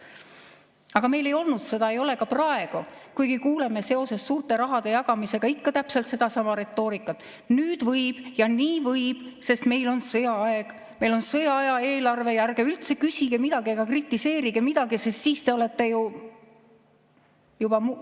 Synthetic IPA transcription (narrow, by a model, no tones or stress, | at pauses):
ɑɡ̥ɑme̞jle̞jo̞lnud̪se̞d̪ɑe̞jo̞le̞kɑprɑe̞ɡ̥ukujɡ̥ikuːle̞mese̞o̞se̞sːuːrt̪e̞ɾɑɦɑd̪̥e̞jɑɡ̥ɑmise̞ɡ̥ɑikːɑt̪æpse̞lt̪se̞d̪̥ɑsɑmɑɾe̞t̪ːo̞ːɾikːˑɑt̪ːˑ | nyːd̪̥vɤjb̥jɑniːvɤjb̥se̞st̪me̞jlo̞nsɤjɑɑeɡ̥ | me̞jlo̞nsɤjɑɑjɑe̞ːlɑrve̞jærɡ̥eylt̪se̞kysʲiɡ̥e̞mid̪ɑɡ̥iɑɡ̥ɑkrit̪ːˑise̞ːɾiɡ̥emid̪̥ɑɡisest̪siːst̪e̞o̞le̞t̪ːe̞ju | jubɑm